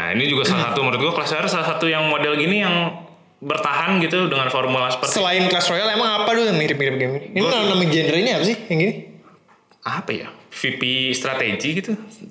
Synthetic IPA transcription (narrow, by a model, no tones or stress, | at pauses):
a̰ḭnid͡ʒuɡasalasat̪uməɾʊt̪̚ɡuakəlasaɾsalasat̪ujaŋmodɛlɡinijaŋ | bərt̪aɦanɡit̪udəŋanformulasə̥pərtsəlaɪnklasɾojalemaŋapadujaŋmiɾɪpmhiɾɪp̚ɡimiinikalanamad͡ʒɛndɾaliɲiapasɪhjaŋɡini | apaja̰fipist̪ɾat̪eɡiɡit̪u